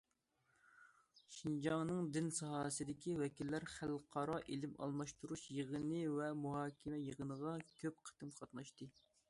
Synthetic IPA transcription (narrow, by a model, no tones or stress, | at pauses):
ʃind͡ʒɑŋnɨŋd̪ɪnsɑɦɑːsɨd̪ɪkʲiwɛkʲilːæɾχælqʰɑɾɑʔelɪmɑ̰lˠmɑʃt̪uɾuʃjəʁənɨwɛmuɦɑːkʲʰɪmɛjəʁənəʁɑkʲʰøp̚qʰə̥t̪ɨmqʰɑt̪nɑʃt̪ɨ